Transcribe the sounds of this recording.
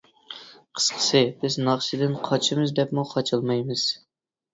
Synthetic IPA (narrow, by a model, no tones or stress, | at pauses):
qʰə̥sqʰə̥sɨbɪznɑχʃɨd̪ɪnqʰɑt͡ʃʰɪmɨzd̪ɛpmuqʰɑt͡ʃʰɨlˠmɑjmɨz̥